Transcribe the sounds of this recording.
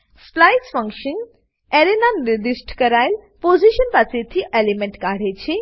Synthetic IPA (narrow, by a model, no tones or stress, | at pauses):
splaːjʈsfɐ̃ŋkʃən | eɾenanɾed͡ʒisʈkɐɾaːjlpoːziʃənpaset̪ʰiʔelimẽɳʈkaːɽet͡ʃʰi